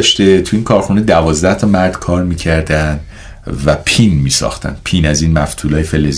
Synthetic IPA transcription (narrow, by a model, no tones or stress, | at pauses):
ʃt̪e̞t̪ʰuiːŋkʰɒːɾxune̞d̪ævɒːzd̪æht̪ʰɒmæɾd̪̥kʰɒːɾmiːcʰæɾd̪ænd̪ | væpʰinmiːsɒ̰xt̪ʰæ̰nd̪̥pʰiːnæziːnmæft̪ʰuːlɒːjefelez